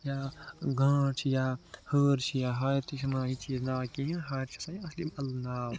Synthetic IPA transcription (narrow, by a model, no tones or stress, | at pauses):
jaːɡʱə̃ːt͡ʃʰijaːhoːɾt͡ʃʰijaːɦaɾt̪ʰisʰmaɦit͡ʃiːznaːkĩɦĩɦɐːɾt͡ʃʰi̥sɐ̃ĩɐslimɐlnaːw